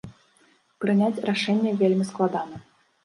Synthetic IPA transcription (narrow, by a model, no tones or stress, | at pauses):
pɾɨnʲætʲraʂɛnʲjəvʲelʲmʲisklˠad̪ɑnə